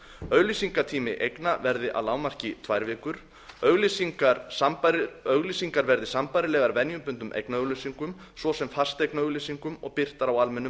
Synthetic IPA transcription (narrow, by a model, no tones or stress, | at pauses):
œɣlisiŋkat̪ʰiːmɪʔejknavɛɾðɪʔa̰laːwmar̥cɪt̪ʰvajɾvɪːkʏɾ̥ | œɣlisiŋkaɾ | œɣlisiŋkaɾvɛɾðɪsampajɾɪlɛɣaɾvɛnjʏmpʏnt̪ʏmʔḛjknaœɣlisiŋkʏm | svɔsɛmfḁst̪ejknaœɣlisiŋkʏmɔ̰ɣpɪr̥t̪aɾawalmɛnːʏm